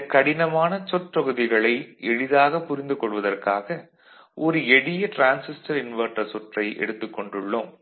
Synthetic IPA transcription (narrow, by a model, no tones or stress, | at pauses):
kːɐɽɪnɐmaːnɐt͡ʃɔʈpɐɣɯðɪɣɐɭɐɪɛɻɪðaːɣɐpːʊɾɪnd̪ɯkɔɭʋɐðɐrkaːɣɐ | ʔɔɾɯɛɽɪjɐʈɾaːnsɪsʈɐɾɪnʋɐɾʈːɐsɔʈrɐɪʔɛ̰ɽɯt̪ːɯkːɔɳɖɯɭːɯm